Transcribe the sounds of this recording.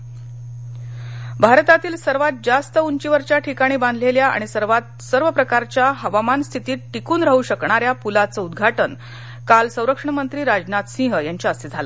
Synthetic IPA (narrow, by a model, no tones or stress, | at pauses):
bʱaɾt̪at̪iːlsəɾʋat̪̚d͡zast̪əuɲt͡ɕiʋəɾt͡ɕjaʈʰikaɽ̃iːbãnd̪ʱleljaʔa̰ɽ̃isəɾʋat̪̚ | səɾʋəpɾəkaɾt͡ɕjaɦəʋamanst̪ʰit̪iːʈːikuːnɾaɦuːɕəkɳaɾjapulat͡səud̪ɡʱaʈən | kalsə̃w̃ɾəkʂəɳəmənt̪ɾiːɾad͡ʑnat̪sĩɦəjaɲt͡ɕjaəsid͡zʱalə